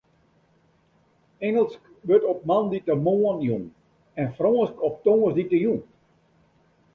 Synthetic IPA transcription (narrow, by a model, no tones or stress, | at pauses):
ɛŋəlˠsk | ʋøtɔp̚manditəmoːənjuŋ | ɛnfroːənskɔp̚toŋəsditəjun